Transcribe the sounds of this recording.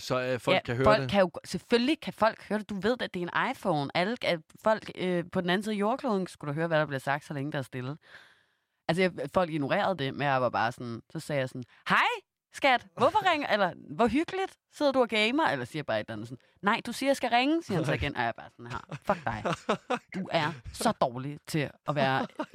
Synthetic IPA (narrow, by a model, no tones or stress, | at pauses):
sɒflækʰːæhøɒlɡ̥kʰæjo̝̥sefølːikʰæfɒ̽l̰ɡ̥høɐd̥e̝d̥uʋe̝ð̞̰ˠd̥æd̥eɐe̝nʔɑ̈ɪfɔʊnæləæfɒ̽l̰ɡ̥øpʰɒ̽d̥en̩æn̩siːðˠjo̝ːɐkʰloːðˠn̩sɡ̥ud̥uɦøːɐʋæɾ̥ɑ̈b̥le̝sɑ̈ɡ̥d̥sɒ̽leŋəd̥eːɐsd̥e̝lð̩ˠ | ʔælsəjɑfɒ̽l̰ɡ̥ino̝ʁɛ̰ːɐð̞ˠd̥e̝menjɑ̈ɪʋɑ̈b̥ɑ̈ːsɔnsɒ̽sɛːjɑ̈ɪsɔ̽n | hɑɪ | sɡ̥æd̥ʋɔfɒʁɛŋɐʔelɐʋɒɦyɡ̥əlid̥se̝ð̰ˠɐd̥uæɡ̥eɪmɐelɐsiːɐb̥ɑ̈ːe̝d̥lænð̩sɔn̩ | nɑ̈ɪd̥usiːɐjsɡ̥æʁeŋəsiɐhænseɡ̥en̰ʔɒjɑ̈ɪb̥ɑ̈ːsɒnhɑ̰fɒɡ̥̚d̥ɑ̈ɪd̥uʔæɐsɒ̽d̥ɒːlit͡sʰe̝ɒ̽ʋæːɐ